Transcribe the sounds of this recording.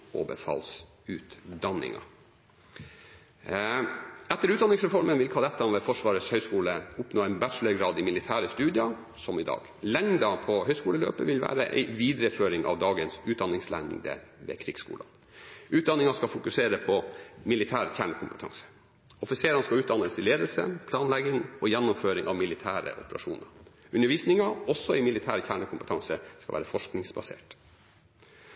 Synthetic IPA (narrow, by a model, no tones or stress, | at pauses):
ɔ̰bə̰fɑ̰ːls | ʉːt̪d̪ɑnːɪ̰ŋɑ̰ | ɛt̪ːəɾʉt̪̚d̪ɑnːɪŋsɾɛfɔɾmənʋɪlkʰɑd̪ɛt̪ːɑʋɛfɔʂʋɑːɾəshœʏskuːləʊpnoːɛɪnbæʈʂləɾɡɾɑːd̪ɪmɪlɪt̪ʰæːɾəst̪ʉːd̪ɪɑ | sɔmɪd̪ɑ̰ːɡ | lɛŋd̪ɑpʰɔhœʏskuːləlø̰ːpəʋɪlʋæ̰ːɾə̰ʔɛ̰ɪʋiːd̪ɾəføːɾɪŋʔɑ̰ʋd̪ɑːɡənsʉːt̪̚d̪ɑnːɪŋslɛ̰ŋd̪ə̰ʋḛːkʰɾiːɡskṵːlɑ̰n | ʔʉːt̪̚d̪ɑnɪŋɑskɑfʊkʉseːɾəpʰɔmɪlɪt̪ʰæːɾçæːɳəkʰʊmpət̪ʰɑ̰ŋsə̥ | ɔfɪseːɾɑnskɑʉːt̪̚d̪ɑnəsɪleːd̪əlsə̰pʰlɑːnlɛɡɪŋɔjɛnːʊmføːɾɪŋʔɑʋmɪlɪt̪ʰæːɾə̰ʔɔ̰pəɾɑ̰ʂṵːnəɾ | ʉnːəʋiːsnɪŋɑɔsːɔɪmɪlɪt̪ʰæːɾçæːɳəkʰʊmpət̪ɑŋsəskɑlʋæːɾəfɔʂknɪŋsbɑsḛːʈ